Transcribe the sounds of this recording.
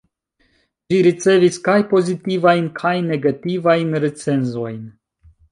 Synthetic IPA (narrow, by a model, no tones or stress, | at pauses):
d͡ʒiɾit͡se̞viskajpo̞zit̪ivajnkʰajne̞ɡativajnɾet͡se̞nzo̞jn